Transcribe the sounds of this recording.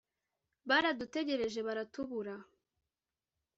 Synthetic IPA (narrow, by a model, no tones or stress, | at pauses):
βaɾadute̞ɟe̞ɾe̞ʒe̞βaɾatuβuɾa